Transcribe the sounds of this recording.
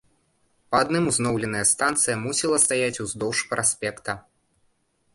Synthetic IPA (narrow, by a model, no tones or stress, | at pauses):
pɐad̪nɨmuznɔwlʲɛnɐjɐst̪ant̪sɨjɐmusʲilˠɐst̪ajat͡sʲuzd̪ɔwʂpɾʔasʲpʲɛkt̪ɐ